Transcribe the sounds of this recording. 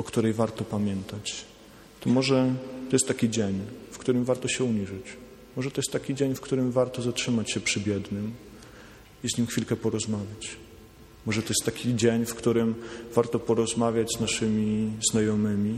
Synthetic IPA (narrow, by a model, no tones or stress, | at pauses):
ɔkt̪uɾɛjvaɾt̪ɔpamʲjɛnt̪at͡ɕ | t̪ɔmɔʐɛt̪ɔjɛst̪t̪ːakʲid͡ʑeɲfkt̪uɾɘmvaɾt̪ɔɕɛuɲiʐɘt͡ɕ | mɔʐɛt̪ɔjɛst̪ːakʲid͡ʑeɲfkt̪uɾɘmvaɾt̪ɔzatʂɘmat͡ɕɕɛpʂɘbʲjɛd̪nɘm | izɲimxfʲilkɛpɔɾɔzmavʲjat͡ɕ | mɔʐɛt̪ɔjɛst̪takʲid͡ʑeɲfkt̪uɾɘmvaɾt̪ɔpɔɾɔzmavʲjad͡ʑznaʂɘmʲiznajɔmɘmʲi